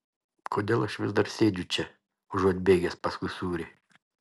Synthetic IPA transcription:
kʰoːd̪ʲeːlˠɐʃʋʲɪzd̪ɐɾsʲeːd͡ʒʲʊt͡ʃʲɛ | ʊʒuɔt̪ʲbʲeːɡʲɛsʲpɐskʊɪsuːɾʲe

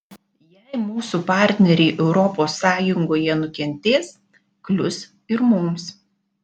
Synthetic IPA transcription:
jɛɪmuːsupɑˑɾʲt̪ʲnʲɛɾʲɛɪʔɛʊɾɔpoːsːɑːjʊŋɡoːjɛnʊkʲɛnʲt̪ʲeːs | klʲʊs | ɪɾmʊms

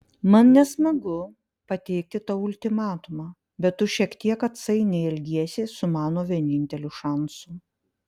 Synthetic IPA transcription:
mɐnnʲɛsmɐɡʊ | pɐt̪ʲɛɪk̚t̪ʲɪt̪ɐʊlʲt̪ʲɪmɑːt̪ʊmɑː | bʲɛt̪tːʊʃʲiɛkt̪ʲiɛkɐt̪sɐɪnʲɛɛlʲɡʲiɛsʲɪsʊmɑːnoːʋʲiɛnʲɪnʲt̪ʲɛlʲʊʃɑˑnsʊ

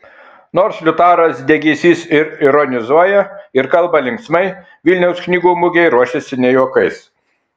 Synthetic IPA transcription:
noːɾslʲʊt̪ɑːɾɐsd̪ʲɛɡʲiːsʲiːsɪɾɪɾɔnʲɪzuɔjɛɪɾkɐlˠbɐlʲɪŋksmɐɪ | ʋʲɪlʲnʲɛʊsknʲiːɡuːmʊɡʲɛɪɾuɔʃʲɛsʲɪnʲɛjuɔkɐɪs

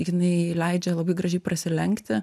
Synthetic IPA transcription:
jɪnɐɪlʲɛɪd͡ʒʲɛlˠɐbɐɪɡɾɐʒʲɛɪpɾɐsʲɪlʲɛŋʲkt̪ʲɪ

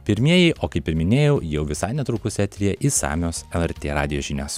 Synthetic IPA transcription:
pʲɪɾʲmʲiɛjɛɪʔoːkɐɪpɪɾmʲɪnʲeːjɛʊjɛʊʋʲɪsɑɪnʲɛt̪ɾʊkʊsʲɛt̪ʲɾʲiːjɛʔisɑ̰ːmʲoːsɛlˠɛɾʲt̪ʲeːɾɑːd̪ʲɪjoːʒʲɪnʲoːs

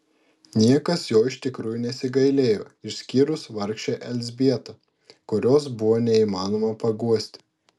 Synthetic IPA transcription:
nʲiɛkɐsjoːɪʃt̪ʲɪkɾuːjʊˑnʲɛsʲɪɡɐɪlʲeːjo̰ːɪʃsʲkʲiːɾʊsʋɐɾʲkʃʲt͡ʃʲeʔɛlʲzʲbʲiɛt̪ɐ | kʊɾʲoːsbʊʋoːnʲɛiːmɑːnoːmɐpɐɡuɔsʲt̪ʲɪ̥

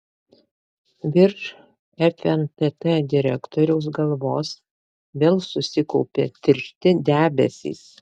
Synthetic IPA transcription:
ʋʲɪɾʃ | ɛfʲɛnt̪ɛt̪ɛd̪ʲɪɾʲɛkt̪ɔːɾʲɛʊsɡɐlˠʋoːs | ʋʲeːlˠsʊsʲɪkɔʊpʲeːt̪ʲɪɾʲʃʲt̪ʲɪd̪ʲæːbʲɛ̰sʲḭːs

